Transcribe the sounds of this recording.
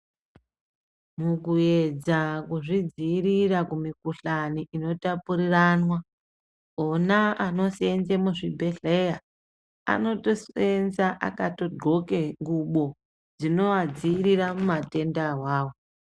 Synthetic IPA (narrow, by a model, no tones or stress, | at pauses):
mukue̞d͡zakuʐid͡ziːɾirakumikuɬaniʔino̞tapuɾiranwa | onaano̞senzemuʐibʱeɬe̞ja | a̰no̞to̞senzaʔa̰kato̞dʱo̞keŋɡuɓo̞ | d͡zino̞ad͡ziiɾiɾamumate̞ndawaːwo